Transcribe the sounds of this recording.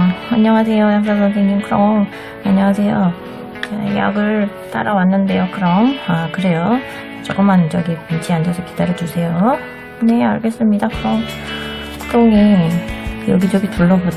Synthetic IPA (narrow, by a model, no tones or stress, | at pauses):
aɲːʌŋɦasʰe̞jojaŋks͈asʌndʰeɲimkɯɾʌŋ | aɲaŋɦasʰe̞jo | eja̰ɡɯɭ | t͈a̰ɾawanːɯnde̞jokɯɾʌmakɯɾe̞jo | t͡ɕ͈ʌɡɯmanɯd͡ʑʌɡipint͡ɕʰiandesʰʌkid̥aɾjʌd͡ʑusʰe̞jo | kɯneaɭɡes͈ɯmɲidakɯɾʌŋ͈ | oŋe | joɡid͡ʑʌɡituɭːʌbo